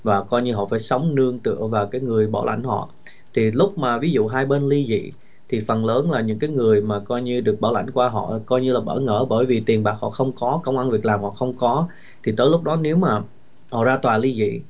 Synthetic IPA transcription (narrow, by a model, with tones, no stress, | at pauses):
vaː˨˩kɔ˧jɲɨ˧ɦɔ̰˧˨faː˧˩jsə˨˦wŋ͡mnɨ˧əŋt̪ɨ̰˧˨əvaː˨˩wkaː˨˦jŋɨ˨˩əjɓɔ̰˧˩wla̰˧˩jŋ̟hɔ̰˧˨ | t̪ʰi˨˩lʊ˦˥k͡p̚maː˨˩vi˨˦zṵ˧˨ɦaː˧jɓe˧nli˧zḭ˧˨ | t̪ʰi˨˩fə˨˩nləː˨˦nlaː˨˩ɲɨ̰˧˥ŋkaː˨˦jŋɨ˨˩əjmaː˨˩kɔ˧jɲɨ˧ɗɨ˨˩ək̚ɓaː˧˩wla̰˧˩jŋ̟kwaː˧ɦɔ̰˧˨kɔ˧jɲɨ˧laː˨˩ɓə̰ː˧˩ŋə̰ː˧˩ɓəː˧˩jvi˨˩t̪i˨˩ənɓaː˨˩k̚hɔ̰˧˨xə˧wŋ͡mkɔ˨˦kə˧wŋ͡mʔa˧nvi˨˩ək̚laː˨˩mhɔ̰˧˨xə˧wŋ͡mkɔ˨˦ | t̪ʰi˨˩t̪əː˨˦jlʊ˦˥k͡p̚ɗɔ˨˦ne˨˦wmaː˨˩ | hɔ̰˧˨zaː˧t̪waː˨˩li˧zḭ˧˨